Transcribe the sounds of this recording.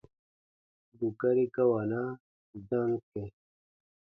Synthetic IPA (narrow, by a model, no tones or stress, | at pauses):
dukɐɾikawana | d̪aŋke